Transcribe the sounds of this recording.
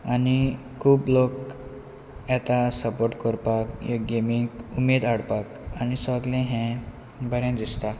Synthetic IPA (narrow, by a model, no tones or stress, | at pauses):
ani | kʰuːblok | ɛt̪asəpoɾʈkɔɾpakjoɡemikumed̪aɽpakanisɔɡlɛ̃ɦɛ̃ | bəɾjãd̪ist̪a